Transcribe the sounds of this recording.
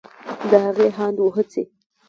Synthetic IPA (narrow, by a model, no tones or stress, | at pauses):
d̪əhaɣeɦɑnd̪woɦət͡se